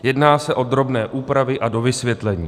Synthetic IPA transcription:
jɛdnaːsɛʔo̞d̪ɾo̞bnɛːʔuːpɾavɪʔado̞vɪsvjɛt̪lɛɲiː

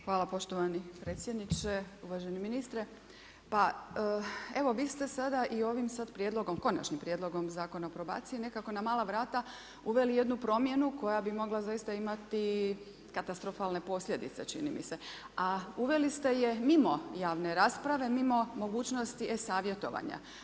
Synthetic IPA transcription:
xʋaːlapo̞ʃt̪o̞ʋanipɾeːt̪sʲjed̪nit͡ʃeuʋaʒeniminist̪ɾe̞ | pa | e̞ʋo̞ʋiːst̪e̞sad̪aʔio̞ʋimsad̪pɾjed̪lˠo̞ɡo̞mko̞na̰t͡ʃɲimpɾje̞d̪lo̞ɡo̞mzaːko̞naopɾo̞ba̰ːt̪sijine̞kako̞namaːlˠaʋɾaːt̪a | uʋe̞lije̞d̪nupɾo̞mje̞nuko̞jabimo̞ɡlazajist̪aimat̪i | kat̪ast̪ɾo̞falnepo̞sʎʲe̞d̪ḭt̪se̞t͡ʃḭnḭmḭse̞ | auʋe̞list̪e̞jemimo̞jaːʋne̞ɾaːspɾaʋe̞mimo̞mo̞ɡuːt͡ʃno̞st̪iʔesaːʋje̞t̪o̞̰ʋa̰ɲa̰

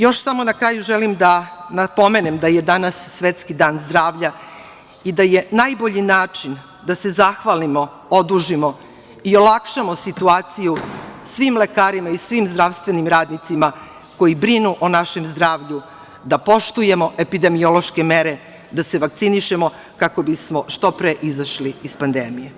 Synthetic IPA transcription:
jo̞ʃsamo̞nakɾaːjuʒelimd̪anapo̞me̞nemd̪aje̞d̪anasːʋet̪skid̪aːnzd̪ɾaːʋʎa | id̪aje̞najbo̞ʎinaːt͡ʃin | d̪ase̞zaxʋalimo̞ | od̪uʒimo̞ | io̞lˠakʃamo̞sit̪uaːt̪sijusʋimle̞kaːɾimaisʋimzd̪ɾaʋst̪ʋe̞nimɾaːd̪nit̪sima | ko̞jibɾinuʔonaʃe̞mzd̪ɾaːʋʎu | d̪apo̞ʃt̪uje̞mo̞ʔe̞pid̪e̞mio̞lo̞ʃke̞me̞ɾe̞ | d̪ase̞ʋakt̪siniʃe̞mo̞ | kako̞bismo̞ʃt̪o̞pɾeʔizaʃliispand̪emije

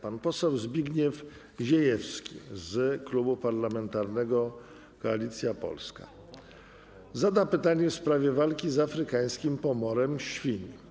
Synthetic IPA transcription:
panpɔsɛwzbʲiɡɲɛf | ʑɛjɛfskʲḭzklubupaɾlamɛnt̪aɾnɛɡɔ | kɔalʲit̪sʲjapɔ̰lska̰ | zad̪apɘt̪aɲɛfspɾavʲjɛvalkʲizafɾɘkaj̃skʲimpɔmɔɾɛmɕfʲiɲ

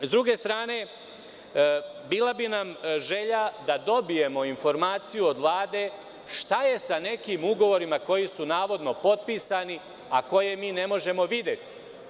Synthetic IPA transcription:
zd̪ɾuɡe̞st̪ɾaːne̞ | biːlˠabinamʒe̞ʎad̪ad̪o̞bije̞mo̞info̞ɾmaːt̪sijuod̪ʋlˠaːd̪e̞ | ʃt̪aje̞sane̞kiːmuɡo̞ʋo̞ɾimako̞jisunaːʋo̞d̪no̞po̞t̪̚piːsani | ako̞je̞miːne̞mo̞ʒe̞mo̞ʋid̪je̞t̪i̥

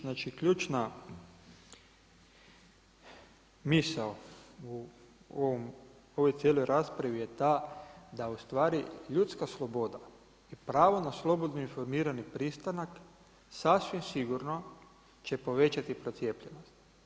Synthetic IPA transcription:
nat͡ʃikʎuːt͡ʃna | misau | oʋom | o̞ʋo̞jt̪je̞lo̞jɾaːspɾaʋije̞t̪ad̪aust̪ʋaːɾiʎut̪skaslˠo̞bo̞d̪a | ipɾaːʋonaslˠo̞bod̪noinfo̞ɾmiːɾanipɾist̪anak | sasʋimsiɡuɾno̞ | t͡ʃe̞po̞ʋe̞t͡ʃat̪ipɾo̞t̪sje̞ːpʎe̞no̞st̪

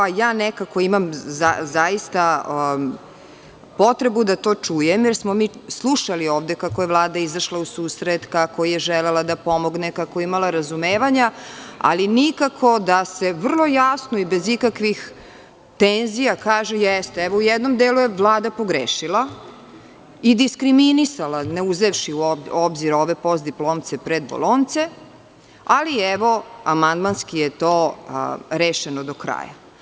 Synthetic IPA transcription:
ajaːnɛkako̞imamzazajist̪a | po̞t̪ɾebud̪at̪o̞ːt͡ʂujemjɛɾsmomiːslˠuʃalioːʋd̪ekako̞jevlˠaːd̪aizaʃlausuːsɾet̪kakʰojeʒɛlelˠad̪apo̞mo̞ɡnekakojeimalˠaɾazumeːʋaɲaa̰linikakʰo̞d̪ase̞ʋr̩lˠo̞jasnoibezikakʋix | t̪enzijakaːʒejɛst̪eɛʋoujɛd̪nomd̪eːlujeʋlˠaːd̪apoɡɾeːʃilˠa | id̪iskɾiminisalaneuzeʋʃiuoobziɾo̞ʋe̞po̞sd̪iplˠo̞ːmt̪sepɾed̪bo̰lont̪se̞ | aliɛʋo̞amand̪manskijet̪o | ɾeːʃenod̪okɾa̰ja̰

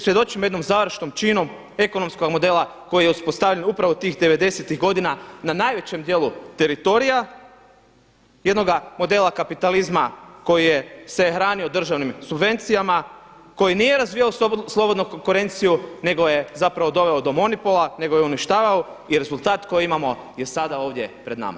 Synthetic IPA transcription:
sɾjed̪o̞t͡ʃimojed̪no̞mzaʋɾ̩ʃnomt͡ʃino̞m | e̞ko̞no̞msko̞ɡmo̞d̪e̞lˠako̞jijeuspo̞st̪aʋʎenupɾaʋot̪iːxd̪e̞ʋe̞d̪e̞set̪iɣɡo̞d̪inananajʋe̞t͡ɕe̞md̪je̞ːlˠut̪e̞ɾit̪o̞ɾija | je̞d̪no̞ɡamo̞d̪e̞lˠakapit̪alizmako̞jije̞sexɾaːnio̞d̪r̩ʒaʋnimsubʋe̞nt̪sijamako̞jinijeɾazʋiːjaoslˠo̞bod̪nukoŋkuɾe̞nt̪sijune̞ɡo̞je̞zapɾaʋo̞d̪o̞ʋe̞od̪o̞mo̞nipolˠane̞ɡo̞jeuniʃt̪aːʋao | iɾe̞zulˠt̪aːt̪ko̞jiimamo̞ | je̞sad̪ao̞ːʋd̪je̞pɾe̞d̪na̰ma̰

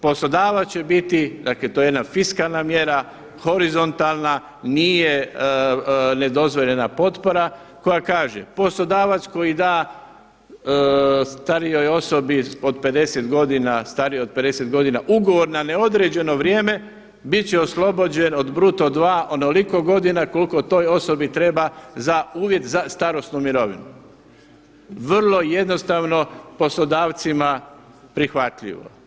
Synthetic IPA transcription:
po̞slo̞d̪aːʋat͡ɕe̞bit̪id̪aːklet̪ojejed̪nafiskaːlˠnamje̞ɾa | xo̞ɾizo̞nt̪alˠna | niːje | ne̞d̪o̞zʋo̞ʎe̞napo̞t̪po̞ɾa | ko̞jakaːʒḛpo̞slo̞d̪aːʋat̪sko̞jid̪aː | st̪aɾijo̞jo̞so̞bio̞d̪̚pe̞d̪e̞set̪ɡo̞d̪inast̪aɾijeod̪̚ped̪e̞set̪ɡo̞d̪inaʔuɡo̞ʋo̞ɾnane̞o̞d̪ɾed͡ʑe̞no̞ʋɾje̞ːme̞ | bit̪t͡ɕeoslˠo̞bod͡ʑeno̞d̪bɾuːt̪od̪ʋaːʔonoliko̞ɡo̞d̪inako̞liko̞t̪o̞ːjo̞so̞bit̪ɾe̞bazauːʋje̞t̪zast̪aɾo̞snumiɾo̞ʋḭnu | ʋr̩lˠo̞je̞d̪no̞st̪aʋno̞po̞slod̪aːʋt̪sima | pɾixʋat̪ʎḭʋo̞̰

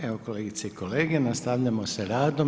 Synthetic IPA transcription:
eoko̞leːɡit̪seiko̞leːɡenast̪aʋʎamo̞seɾaːd̪o̞

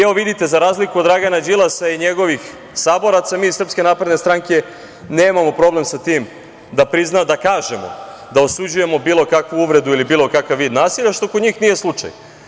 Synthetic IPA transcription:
eo̞ʋid̪it̪e̞zaɾaːzlikud̪ːɾaɡanad͡ʒilˠasaiɲe̞ɡo̞ʋix | saːbo̞ɾat̪samiːsr̩pske̞naːpɾe̞d̪ne̞st̪ɾaŋke̞ | ne̞ːmamo̞pɾo̞ble̞msat̪iːm | d̪apɾiznad̪akaːʒe̞mo̞̰d̪ao̞sud͡ʑuje̞mo̞biːlˠo̞kakʋuuʋɾe̞d̪uilibiːlˠo̞kakaʋːiːd̪naːsiʎʲaʃt̪okod̪ɲiːxnije̞slˠut͡ʂa̰j

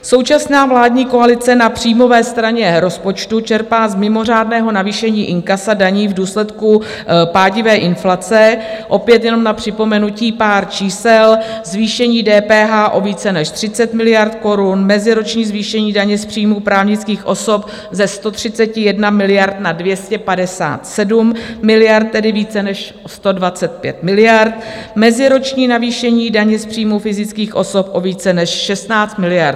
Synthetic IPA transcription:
so̞wt͡ʃasnaːvlaːdɲiːko̞alɪt͡sɛnapr̥iːjmo̞vɛːst̪ɾaɲɛɾo̞spo̞t͡ʃt̪ut͡ʃɛɾpaːzmɪmo̞r̝aːdnɛːɦo̞naviːʃɛɲiːʔɪŋkasadaɲiːvduːslɛt̪ku | paːɟɪvɛːʔɪnflat͡sɛʔo̞pjɛt̪jɛno̞mnapr̝̥ɪpo̞mɛnuciːpaːɾt͡ʃiːsɛlzviːʃɛɲiːdɛːpɛːɦaːʔo̞viːt͡sɛnɛʃt̪r̥ɪt͡sɛt̪mɪlɪjaɾt̪ko̞ɾunmɛzɪɾo̞t͡ʃɲiːzviːʃɛɲiːdaɲɛspr̝̥iːmuːpɾaːvɲɪt͡skiːxʔo̞so̞p̚ | zɛst̪o̞t̪r̝̥ɪt͡sɛcɪjɛdnamɪlɪjaɾt̪nadvjɛscɛpadɛsa̰ːt̪sɛdumːɪlɪjaɾt̪̚ːɛdɪviːt͡sɛnɛʃ | st̪o̞dvat͡sɛt̪̚pjɛ̰t̪̚mɪlɪjaɾt̪mɛzɪɾo̞t͡ʃɲiːnaviːʃɛɲiːdaɲɛspr̝̥iːmufɪzɪt͡skiːxʔo̞so̞pʔo̞viːt͡sɛnɛʃʃɛst̪naːt͡st̪mɪlɪjaɾ

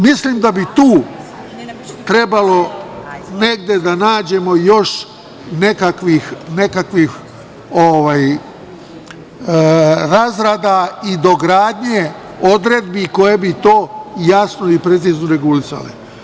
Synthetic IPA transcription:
misliːmd̪abit̪uː | t̪ɾe̞balo̞ | ne̞ɡ̚d̪e̞d̪anaːd͡ʑe̞mo̞jo̞ʃ | ne̞kakʋixne̞kakʋix | oʋaːj | ɾazɾaːd̪aid̪o̞ɡɾaːd̪ɲe | o̞d̪ɾed̪̚biko̞je̞bit̪o̞ːjasnoipɾe̞t̪siːznoɾe̞ɡulisa̰lḛ

